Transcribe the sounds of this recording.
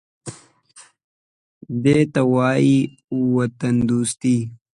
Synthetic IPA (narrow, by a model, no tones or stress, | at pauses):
d̪eːt̪ɐwɑːji | uwɐt̪ɐnd̪uːst̪i